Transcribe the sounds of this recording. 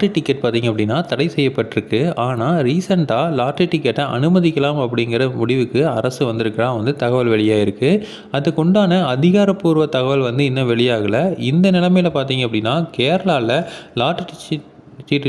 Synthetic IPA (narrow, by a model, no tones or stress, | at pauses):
ʈːɯʈɪkːɐʈ̚paːɾt̪iːŋɐpːɐɽɪnːaːt̪ɐɽɐɪsɛjːɐpːɐʈːɪɾɯkːɯaːnaːɾiːsɐɳʈaːlaːʈːɯʈɪkːɐʈːɐʔɐ̰nɯmɐðɪkːɐlaːmɐpːɐɽɪŋɡɐɾɐmʊɽɪʋɯkːɯɐɾɐsɯʋɐnd̪ɪɾɯkːɐlaːʋɐnd̪ɯt̪ɐɣɐʋɐlʋɛɭɪjaːɪɾɯkːɯ | ɐðɯkɔɳɖaːnɐɐðɪɣaːɾɐpːuːɾʋɐt̪ɐɣɐʋɐlʋɐnd̪ɯɪnːɐʋɛɭɪjaːɣɐlɐɪnd̪ɐnɪlɐmɐɪlɐpaːɾt̪iːŋɡɐpːɐɽɪnːaːkeːɾɐlaːlɐlaːʈː | iʈː